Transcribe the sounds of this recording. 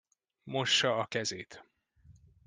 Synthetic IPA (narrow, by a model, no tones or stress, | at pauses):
mo̞ʃːɒɒkɛzeːt̪